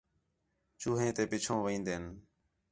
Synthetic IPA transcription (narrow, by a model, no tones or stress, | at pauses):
t͡ʃuːɦẽːt̪eːpɪt͡ʃʰõːʋĩːnd̪eːn